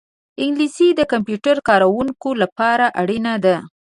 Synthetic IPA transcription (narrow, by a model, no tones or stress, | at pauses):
ɪŋɡlisid̪əkampjuʈaɾkɑɾawuŋkolapɑɾaʔaɽinad̪a